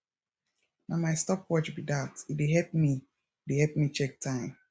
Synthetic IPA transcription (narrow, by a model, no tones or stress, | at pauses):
namaɪstɔkwɔt͡ʃbidatit̚deɦɛp̚mi | dehɛlp̚mit͡ʃɛk̚tʰãɪ̃m